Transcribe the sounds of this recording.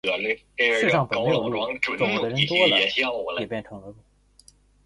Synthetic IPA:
ɻ̩˥˧ʂɑ˥˩ŋpə˨˧˥nm˥˩˧lu˧˥˩ʈ͡ʂd̪ə˧˩ə˧˥t̪wɔ˥lə˧˥jɛ˨˩pjɛ˥˩nʈ͡ʂʰɤ˧˥ŋlə˧lu˥˩

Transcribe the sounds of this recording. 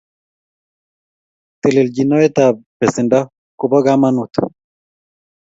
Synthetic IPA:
t̪e˨le˨lɟina˦e˦t̪apesenda˦ | ku˨ba˦ɡama˦nut̪

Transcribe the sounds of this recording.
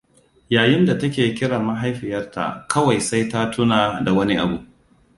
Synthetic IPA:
jaː˨jɪ˦nda˨tɐ˦k̬ʲeː˨kʲɪ˦ɽaː˨ma˦ɦa˦jɸɪ˨jɐ˦rta̰˨kʰɐ˦wa˨jsa˦jta˦tʰʊ˦naː˨da˨wɐ˦ni˦ʔa˨bu˨

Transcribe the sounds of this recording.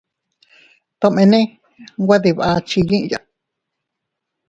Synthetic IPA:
t̪õ˧˨mẽ˧nẽ˦ | ɡʷa˦ði˧βʔa˧t͡ʃi˧ɲĩ˦ʔja˨

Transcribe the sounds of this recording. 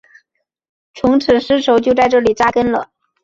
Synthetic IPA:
t͡sʰʊ˧˥ŋʈ͡ʂʰɻ̩˨˩ʂɻ̩˥ʂʰo˧˥ʊt͡ɕjo˥˧ʊt͡sa˥˧ɪʈ͡ʂɤ˥˩li˨˩ʈ͡ʂa˥kə˥nlə̰˨˩

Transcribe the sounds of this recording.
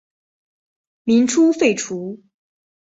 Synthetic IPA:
mi˧˥nʈ͡ʂʰu˥fe˥˩ɪʈ͡ʂʰu˧˥

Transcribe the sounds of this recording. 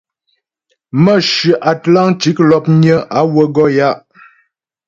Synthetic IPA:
mə˦˨ʃʉ˨ʔa˨tla˦ŋt͡ʃi˦k̚lɔ˨p̚ɲə˦ʔa˨˦wə˦ɡɔ˦ja˦ʔ

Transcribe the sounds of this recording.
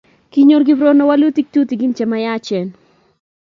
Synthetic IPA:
ki˦ɲo˦ɾɡi˦bɾo˦no˦wa˦lu˦t̪i˦k̚t̪u˦ti˨ɡi˦nt͡ʃɛ˨maja˦t͡ʃɛ˨n

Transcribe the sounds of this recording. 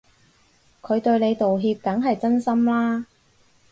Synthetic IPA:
kʰɵ˨˧ɥt̪ɵ˧ɥne˨˧jt̪o˨wɦiː˧p̚kɐ˨˥ŋɦɐ˨jt͡sɐ˥nsɐ˥mlaː˥

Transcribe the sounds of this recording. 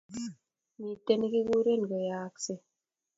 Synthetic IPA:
mi˨te˦˨ni˦ki˦ɡu˦ɾe˦n˨ɡɔ˨ja˨kse˦

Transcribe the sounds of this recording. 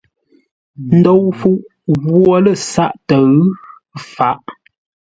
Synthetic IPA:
n̩˦do˦wfu˦ʔ | ɣwɔ˦lə˦˨sa˦ʔtə˨ | fa˨˦ʔ

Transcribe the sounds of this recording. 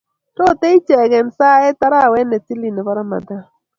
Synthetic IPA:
tɔ˦˨te˦i˦t͡ʃɛ˨ɡɛ˨nsa˦ɛ˦ta˦ɾa˦˨wɛ˦nɛ˨ti˦li˨nɛ˨bɔ˦ɾa˦ma̰˨da˦

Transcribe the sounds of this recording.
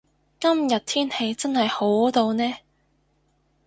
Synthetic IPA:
kɐ˥mjɐ˨t̚t̪ʰiː˥nhe˧jt͡sɐ˥nhɐ˨jho˨˥wt̪o˧wnɛː˥

